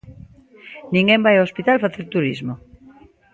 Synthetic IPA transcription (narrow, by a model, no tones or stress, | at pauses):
nĩŋɡẽmbajoospit̪alfaθeɾt̪uɾizmo